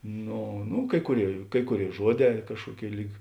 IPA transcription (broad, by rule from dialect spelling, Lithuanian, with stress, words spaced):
ˈnoː nʊ ˈkɐɪ kʊˌrʲeːɪ ˈkɐɪ kʊˌrʲeːɪ ˈʒuɔˌdʲɛː ˈkɑːʃkuɔˌkʲeːɪ ˈlʲiːk